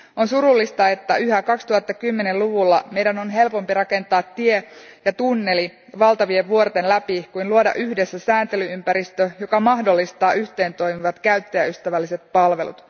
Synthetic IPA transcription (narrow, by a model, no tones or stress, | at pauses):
o̞nsuɾulːist̪ɑe̞t̪ːæyɦækɑkst̪uhɑt̪ːɑkymːene̞luʋulːɑme̞jdæno̞nɦe̞lpo̞mpirɑke̞nt̪ɑːt̪ːiejɑt̪unːe̞li | ʋɑlt̪ɑʋieʋʋuort̪enlæpikuinluodɑ̰ʔyhde̞sːæsæːnt̪e̞lyympæɾist̪øjokɑmɑɦdo̞lːist̪ɑːʔyçt̪e̞ːnt̪o̞jmiʋɑt̪kæyt̪ːeæyst̪æʋælːise̞t̪̚pɑlʋe̞lṵt̪